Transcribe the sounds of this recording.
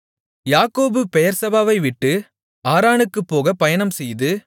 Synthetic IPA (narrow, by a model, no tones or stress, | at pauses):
jaːkoːbɯpɛjɐɾsɐbaːʋɐɪʋɪʈːɯ | aːɾaːnɯkːɯpːoːɣɐpɐjɐɳɐmsɛjðɯ